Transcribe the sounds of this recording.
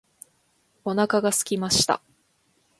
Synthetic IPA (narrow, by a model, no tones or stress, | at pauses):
o̞nakaɡasɨ̥kʲimaɕi̥t̪a̰